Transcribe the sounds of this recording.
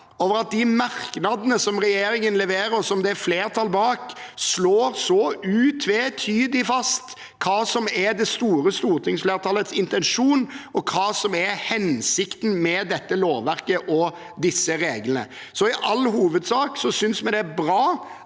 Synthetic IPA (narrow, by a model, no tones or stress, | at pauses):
oːʋəɾɑt̪̚d̪ɪmɑɾknɑd̪nəsɔmɾɛjeːɾɪŋənlɛʋeːɾəsɔmd̪ɛæɾfleːɾt̪ʰɑlbɑːksloːɾsoʉːt̪ʰʋet̪ʰyːd̪ɪfɑst̪ | kʰɑːsɔmɛɾd̪ɛst̪uːɾəst̪uːɾt̪ʰɪŋsfleːɾt̪ʰɑːlət̪sɪnt̪ɛnʂuːnɔkʰɑːsɔmɛhɛnsɪkt̪n̩mɛd̪ɛt̪ːəloːʋʋæɾkəʔɔ | d̪ɪsːəɾeːɡlənə̰ | sɔɪʔɑlːhuːʋəd̪sɑːksɔsʏnsmɛd̪ɛæbɾɑː